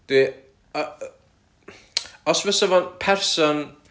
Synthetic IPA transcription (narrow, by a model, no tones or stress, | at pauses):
d̪̥i | ɔsvɪsəvɔnpʰɛrsɔn